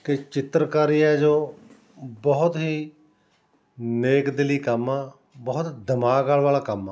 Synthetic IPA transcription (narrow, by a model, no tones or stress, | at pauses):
kɪt͡ʃɪt̪ɾəkaːɾijãd͡ʒoː | bəɦʊt̪ɦiː | neːkd̪ɪliːkəmːãː | bəɦʊt̪d̪əmaːɡaːlʋaːlaːkəmãː